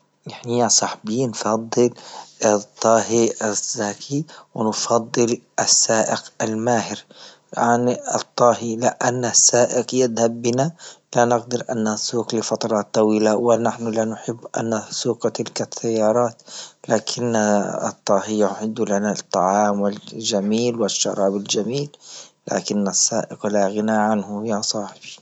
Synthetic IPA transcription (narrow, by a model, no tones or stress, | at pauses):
ʔɪħniasˤɑħbiːnfɑd̪ˤːɨl | t̪ˤːɑːhiaz̥ːaːkʰiwɪnfɑd̪ˤːɨlʔasːaːʔɪqalmaːhɪɾ | ʕanɨ̰t̪ˤːɑːɦilɪʔanːasːaːʔɪqjɪd̪habːɪnalanɪqd̪ɪɾʔa̰nːasuːqlɪfɑt̪ˤɑɾˤɑːt̪ˤːɑwiːlawɪnaħnʊlanʊħɪbːʔa̰nːasuːqt̪ɪlkaθːajːɑːɾˤɑːt̪laːkʰɪnːaɨ̰t̪ˤːɑːhɪjːaħɪd̪ːulanat̪ˤːɑʕɑːmwɪd͡ʒamiːlwɪʃːɑ̰ɾˤɑːbɪld͡ʒamiːlː | a̰ːkɪnːasːaːʔɪqlaɣɪnaʕanhʊhjasˤɑːħɪbi